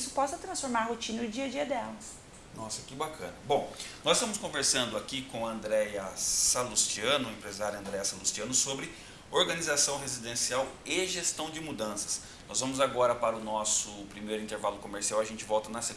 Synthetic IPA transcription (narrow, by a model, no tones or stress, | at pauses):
sʊ̥pɔsɐt̪ɾɐ̃sfoɾmaɾɦot͡ʃĩnɐʊd͡ʒiɐd͡ʒiɐd̪ɛlɐs | nɔsɐkɪbakʰɐ̃nɐbõw̃nɔzɪst̪ɐ̃mʊskõveɾsɐ̃nd̪ʊakikõɐɐ̃nd̪ɾɛjɐsalust͡ʃiɐ̃nʊẽpɾezaɾjɐ̃nd̪ɾɛjɐsalust͡ʃiɐ̃nʊsobɾɪ | oɾɡɐnizasɐ̃w̃ɦezid̪ẽsiaweʒest̪ɐ̃w̃d͡ʒɪmud̪ɐ̃sɐ̥s | nɔzvɐ̃mʊzaɡɔɾɐpaɾɐʊnɔsʊpɾimejɾʊĩnt̪eɾvalʊkomeɾsiawɐʒẽnt͡ʃɪvɔwt̪ɐnɐse